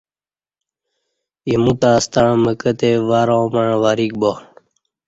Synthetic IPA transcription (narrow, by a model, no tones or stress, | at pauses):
imut̪aːst̪aɳməkət̪eʋaːɾãwməɳ̃ʋaːɾik̚bo